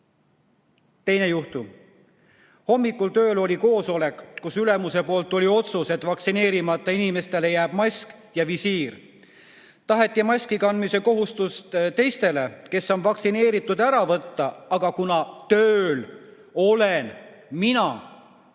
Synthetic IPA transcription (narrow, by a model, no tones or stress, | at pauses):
t̪e̞jne̞juht̪u | ho̞mːikːˑult̪ø̞ːlo̞lʲiko̞ːso̞le̞kˑkːusylemuse̞po̞ːlt̪ːˑo̞lʲio̞t̪suse̞t̪ːˑvɑksine̞ːɾimɑt̪ːˑɑinime̞st̪e̞le̞jæːb̥mɑsk | jɑvisiːr | t̪ɑɦe̞t̪ːˑimɑsʲkikɑnd̪mise̞ko̞ɦust̪ust̪t̪e̞jst̪e̞le̞ke̞sːo̞nvɑksine̞ːɾit̪ːˑud̪̥æɾɑvɤt̪ːɑɑɡ̥ɑkunɑt̪øːl | o̞len | minɑ